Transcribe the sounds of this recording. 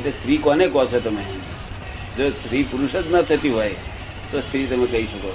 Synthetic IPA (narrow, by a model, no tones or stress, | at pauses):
eʈlest̪ʰɾikɔnekɔt͡ʃʰet̪əmeɦ | d͡ʒost̪ɾipuɾuʃət̪nat̪ʰət̪iɦɔj | t̪ost̪ʰɾit̪əmẽkəɦiʃəko